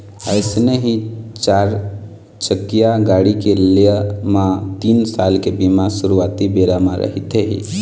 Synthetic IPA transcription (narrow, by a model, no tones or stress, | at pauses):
əɪsneɦĩt͡ʃaɾ | t͡ʃəkːijaɡaɽikelemãt̪iːnsalkebimasuɾuat̪ibeɾamãɾə̰ɦit̪eɦḭ